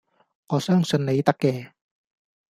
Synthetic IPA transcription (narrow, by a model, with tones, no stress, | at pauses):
ŋɔː˨˧sœː˥ŋsɵ˧nne˨˧jt̪ɐ˥kːɛː˧